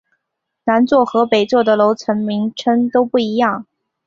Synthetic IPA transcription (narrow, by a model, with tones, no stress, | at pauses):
na˧˥nt͡swɔ˥˩xɤ˧˥pe˨˩ɪt͡swɔ˥˩d̪ə˩lo˧˥ʊt͡sʰə˧˥nmi˧˥ŋʈ͡ʂʰə˥nt̪o˥ʊpu˥˩i˧˥jɑ˥˩ŋ